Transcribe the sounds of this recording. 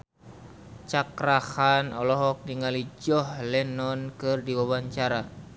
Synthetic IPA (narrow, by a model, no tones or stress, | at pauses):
t͡ʃakɾahanɔlɔɦɔk̚niŋalid͡ʒɔhlɛnɔnkɨrdiwawaɲt͡ʃaɾa